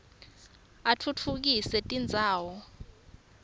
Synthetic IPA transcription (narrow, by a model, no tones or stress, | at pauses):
atʰutʰuk̬isɛtʼind͡zʱaːwɔ